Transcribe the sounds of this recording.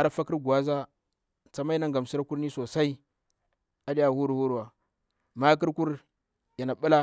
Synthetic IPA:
a˨ɾa˦fa˦ki˦ɾɡu˨a˦za˦ | t͡sa˨ma˦i˦na˦ŋɡa˨m˨si˦ɾa˦ku˦ɾni˦so˨sa˦i˦ | a˨ɗi˦ja˨hu˦ɾu˨hu˦ɾu˨wa˨ | ma˦k̬i˦ɾku˦ɾ | ja˨na˨ɓu˦la˦

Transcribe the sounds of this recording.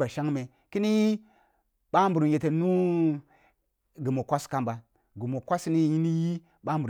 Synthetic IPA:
ba˨ʃa˦ŋme˨ | ki˦ni˦ji˦ | ɓa˦m˦bu˨ɾu˨n˨je˨te˨nu˦ | ɡu˨mo˨kʷa˦ska˦mba˨ | ɡu˨mo˨kʷa˦sni˦ji˦ni˦ji˦ | ɓa˦m˦b

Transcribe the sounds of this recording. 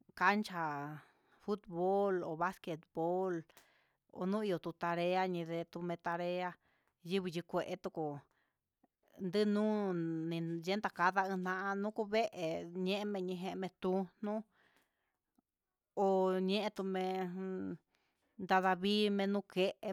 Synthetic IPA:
ka˧˦nt͡ʃa˧ | fu˦t̪βo˦lo˨βa˦ske˧t̪̚bo˦l | o̰˧nũ˦i˧o˨˧t̪u˧t̪a˧ɾe˧a˦ɲĩ˧ðe˧t̪u˧mẽ˧t̪a˧ɾe˧a˧ | ji˦βi˧ji˧kʷe˨ʔe˧t̪u˧ku˨ | nd̪ɨ˦nũ˦nĩ˧je˦nd̪a˧ka˧ða˧ɨ̃˧n̥nã˧ʔã˧nũ˦ku˧βe˦ʔe˨ɲẽ˦ʔe˧˦mẽ˧ɲĩ˧ɦẽ˧ʔmẽ˧t̪u˧n̥ũ˦ | o˧ɲẽ˦ʔẽ˧t̪u˧mẽ˧ | nd̪a˧ða˧βi˦mẽ˧nũ˦ke˦ʔe˧

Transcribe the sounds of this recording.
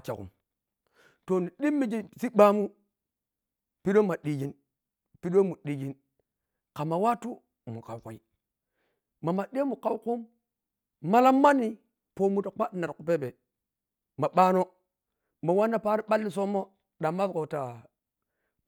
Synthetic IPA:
t͡ʃa̰˨kṵ˨m | to˨ni˨ɗi˦mːi˦d͡ʒi˦si˦ɓa˦mu˦ | pi˦ɗo˦ma˨ɗi˨d͡ʒi˨˦n | pi˦ɗo˦mu˨ɗi˨d͡ʒi˦n | ka˨ma˨wa˦tu˦ | mu˨ka˨wko˨i˦ | ma˨ma˨ɗe˦mu˨ka˦wku˦mː | a˦la˦mːa˦nːi˦ | po˨mu˦ta˨k͡pa˦tna˨ɾku˨pe˦be˨ | ma˨ɓaː˦no˦ | ma˨wa˦nːa˦pa˦ɾi˦ɓa˦lːi˦so˦mːo˦ | ɗa˨ma˦sko˨ta˨

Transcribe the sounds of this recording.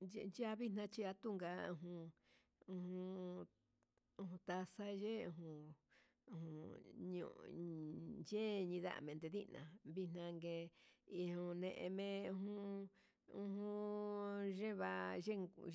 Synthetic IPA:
nd͡ʒa˦βi˦nã˧t͡ʃi˧a˧t̪u˦ŋɡa˧ũ˧ɦũ˧ | ũ˧hũ˧ | ũ˧hũ˧t̪a˧sa˦˧ʒe˦ũ˧ɦũ˧ | ũ˧hũ˧˨ɲṵ̃˧˨ | je˦ɲĩ˧ða̰˦ʔmẽ˧nd̪e˧ði˦nã̰˨βi˧n̥ã˧ŋɡe˧i˧hũ˧nẽ˧ʔḛ̃˧mẽ˧ũ˧ɦũ˦ | ũ˧hũ˧ | ʒe˦βa˧ʒe˦

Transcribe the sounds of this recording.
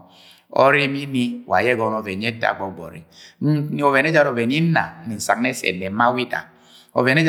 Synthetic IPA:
o̰˦ɾi˦mi˦ni˦wa̰˨jɛ˦ɡɔ˨no˨vɛ˨n˦e˦ta̰˨ɡɔ˨ɡ͡bɔ̰˨ɾḭ˨˦˨ | o˨vɛ˨n˦e˦d͡ʒa˦ɾo˨vɛ˨n˦i˦na̰˨˦ni˨n̩˨sa̰˨kne˦sɛ̰˨ne˨˦ma˦wi˦da̰˨ | o̰˨ve˨ne˦d͡ʒ

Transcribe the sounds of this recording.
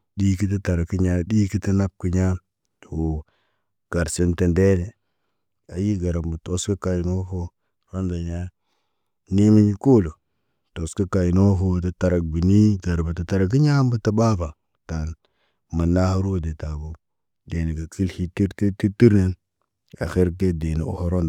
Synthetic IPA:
ɗi˦ki˦t̬a˦ta˨ɾa˨ki˦ɲa˦di˦ki˦ta˦na˦p̚ki˨ɲa˦˨ | wo˨ | ɡ̥a˨ɾsi˦nte˨nde˦le˨ | a˨ji˦ɡa˨ɾa˨mbə˨to˦ski˦ka˨i˨no˦ɦo˦ | ɾo˦nda˨ɲa˦ | ni˦mi˦ɲi˦ko˦lo˨ | to˨ski˦ka˨i˨no˦ɦo˦ta˨ta˨ɾa˨k̚bi˨ni˦ɡa˨ɾbə˨ta˨ta˦ɾa˨k̬i˦ɲa˦mbə˦ta˦ba˦ba˨ | ta˨n | ma˨na˦ha˦ɾu˦o˦de˨ta˨bo˦ | de˨ni˨ɡa˨ki˦lhi˦ti˦ɾti˦ti˦ti˦ɾne˦n | a̰˨xe˦ɾke˦de˨nḭ˨o̰˦ho˦ɾo˦nda˨

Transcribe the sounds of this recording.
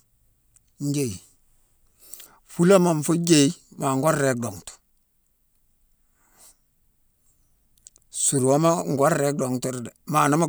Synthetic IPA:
ɲ˦ɟe˦˨j | fu˦la˦ma˨ɱ˨fo˦d͡ʒe˦i˦ma˨ŋɡo˦ɾɾe˨˦k̚do˨ŋtu̥˨ | su˨ɾwo˦ma˦ŋɡo˦ɾɾe˦k̚do˨ŋto˦ɾde˨ma˨no˦ma˦

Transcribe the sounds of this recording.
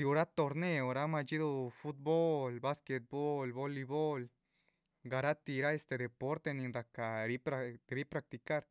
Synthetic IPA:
d̪i˨u˧ɾa˦t̪o˧ɾne˧o˨ɾa˦ma˧t͡ʃi˦d̪u˧fu˦t̪̚bo˦lba˦ske˧t̪̚bo˦lbo˦li˧bo˦l | ɡa˨ɾa˦t̪i˧ɾa˦e˧st̪e˧d̪e˨po˦ɾt̪e˧ni˧nɾa˨ka˨ɾi˦ɾi˦pɾa˧k̚t̪i˨ka˦ɾ

